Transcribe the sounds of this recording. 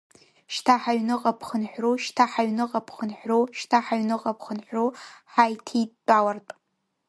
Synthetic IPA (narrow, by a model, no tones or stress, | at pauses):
ʃtʰaħaɥnɨqʼapʰχənħʷruʃtʰaħaɥnɨqʼapʰχənħʷruʃtʰaħaɥnɨqʼapʰχənħʷruħajtʰitːʼawartʼ